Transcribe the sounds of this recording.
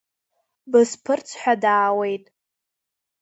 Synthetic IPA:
bɨspʰɨrt͡sʰħʷᶣadaːwe̞jtʼ

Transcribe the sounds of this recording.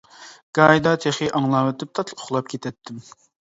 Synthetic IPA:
ɡ̥ɑːjd̪ɑt̪ʰeχiʔɑŋlˠɑwɛt̪ʰɪp̚t̪ʰɑt̪ʰlʊ̥χlˠɑp̚kʲʰet̪ʰɛt̪ʰːɪm

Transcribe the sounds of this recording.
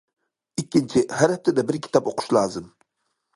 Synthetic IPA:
ɪkʲːɪnt͡ʃʰɪhæɾɛft̪ʰːɪd̪ɛbɪɾkʲʰɪ̥t̪ʰɑpoqʰʊ̥ʃlˠɑːzɨm

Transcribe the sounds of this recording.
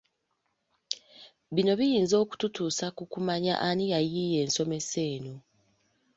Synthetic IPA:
βino̞βijiːnzo̞ːku̥tutuːsakukumaɲa̰ʔanijajije̞ːnso̞me̞se̞ːno

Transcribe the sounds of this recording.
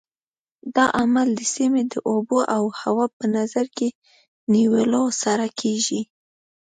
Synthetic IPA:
d̪ɑʔamald̪əsimed̪əʔoboʔawhawɑpənazaɾke | niwəlosaɾakʰeʒi

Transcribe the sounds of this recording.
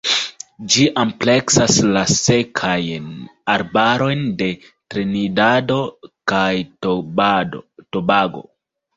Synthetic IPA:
d͡ʒiʔample̞ksaslase̞kʰajnaɾbaɾo̞jnde̞ | tɾenidadokaj | tobaɡo̞̰

